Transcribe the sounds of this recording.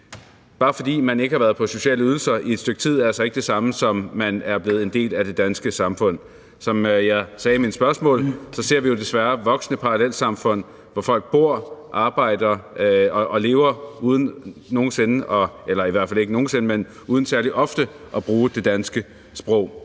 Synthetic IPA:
b̥ɑ̈ːfɒ̽d̥ḭːmæne̝ɡ̥əhɑ̈ʋæːɐð̞̩ˠpʰɒ̽so̝ɕɛ̰ːləyð̞ˠl̩sɐʔie̝d̥sd̥øɡ̥̚t͡sʰið̞̰ˠæɐælsɒ̽e̝ɡ̥d̥e̝sɑ̈məsɒ̽mːænæɐb̥le̝ːð̩ˠe̝nde̝̰ːlæd̥e̝d̥ænsɡ̥əsɑ̈mfɔ̽n̰ | sɒ̽mjɑ̈ɪsɛːminsb̥ɶɐsmɔ̰̽ːlsɒ̽se̝ɐ̰ʋijo̝d̥e̝sʋæɐʋɒ̽ɡ̥snəpʰɑ̈ʁɑlel̰sɑ̈mfɔ̽n̰ | ʋɒfɒ̽l̰ɡ̥̚b̥o̝ɐ̰ʔɑ̈ːb̥ɑ̈ɪ̰d̥ɐɒʔɒle̝ːʊɐuːð̞ˠn̩no̝ːn̩se̝nəʔɒ̽ʔelɐiʋæɐ̰̥fæle̝ɡ̥əno̝ːn̩se̝nəmen | uːð̞ˠn̩sæɐliʔɒ̽fd̥ə | ʔɒ̽b̥ʁuːd̥e̝d̥ænsɡ̥ə | sb̥ʁɔʊ̰

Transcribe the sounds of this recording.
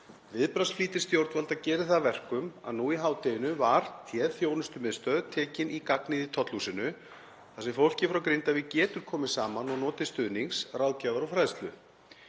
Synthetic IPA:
vɪðpɾast̪fliːt̪ɪɾ̥st̪jowɾt̪valt̪acɛːɾɪθavɛr̥kʏma̰ðnuiɦaːwt̪ɪjɪnʏvaɾ̥t̪ʰjɛθjownʏst̪ʏmɪðst̪œːðt̪ʰɛːcɪnikaknɪðit̪ʰɔt̪lusɪnʏ | θasɛmfowl̥cɪfɾawkɾɪjnt̪avɪcɛːt̪ʏɾ̥kʰɔːmɪ̥saːmanɔɣnɔːt̪ɪst̪ʏðniŋsrawðcaːvaɾɔfɾajðst̪lʏ

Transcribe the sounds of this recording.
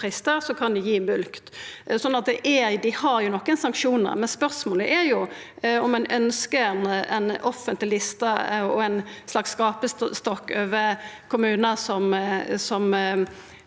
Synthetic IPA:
ʁɪst̪əɾsɔkʰɑnd̪ɪjiːmʉlkt̪sɔnːɑt̪̚d̪ɛʔɛd̪ɪhɑɾjʊnɔkːənsɑŋkʃuːnə̰mɛnspœʁsmoːləʔɛɾjʊ | ɔmɛnʔœnskəɛnɛ̰nɔfːənt̪lɪlɪst̪ɑɔɛɪnslɑksːkɑːpəsst̪ɔkːøːʋəkʰʊmʉːnəsɔmsɔm

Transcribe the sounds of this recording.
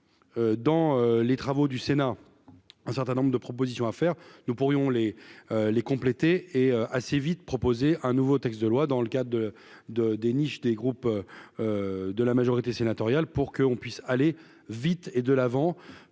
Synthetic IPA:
ød̪ɑ̃ølet̪χavod̪ysena | ɛ̃sɛʁt̪ɛ̃nɔ̃bʁəd̪əpχɔpozisjɔ̃afɛʁnupuʁjɔ̃lelekɔ̃plet̪eeøʔasevit̪pχɔpozeʔɛ̃nuvot̪ɛkst̪d̪əlwad̪ɑ̃ləkad̪ʁdə | d̪əd̪eniʃd̪eɡʁupøød̪əlamaʒɔʁit̪esenat̪ɔʁjalpuʁkəɔ̃pɥisale | vit̪ed̪əlavɑ̃

